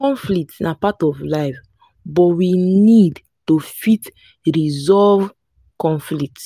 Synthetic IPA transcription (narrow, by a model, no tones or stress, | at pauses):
kɔ̃nflik̚tsnapatɔvlaɪf | bɔtwinid | tofit | ɹizɔlv | kɔ̃nflik̚t